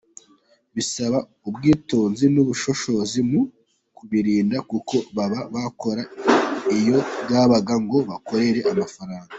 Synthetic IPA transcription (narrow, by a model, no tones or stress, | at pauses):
βisaβa | ubɡiːtuːnzinuβuʃo̞ʃo̞zimu | kuβiɾiːndakuko̞βaβaβako̞ɾaijo̞ɡaːβaɡaŋɡo̞βako̞ɾe̞ɾe̞ʔamafaɾaːŋɡa